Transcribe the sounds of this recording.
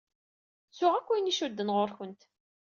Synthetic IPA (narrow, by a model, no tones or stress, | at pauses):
sʊʁækʷːiniʃud̪ːənʁoɾçənt̪